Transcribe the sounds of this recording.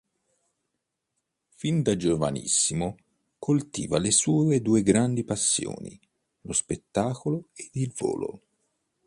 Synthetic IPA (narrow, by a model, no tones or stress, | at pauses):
find̪ad͡ʒova̰nḭsːimo | kʰolt̪ḭːvalesuːed̪uːeɡɾand̪ipasːjo̰ːnḭ | lospet̪ːaːkoloed̪ilvo̰ːlo̰